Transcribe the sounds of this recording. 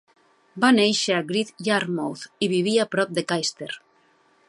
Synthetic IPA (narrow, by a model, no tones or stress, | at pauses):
banejʃeaɡɾit̪jaɾmowθiβiβiapɾɔp̚d̪ekajst̪eɾ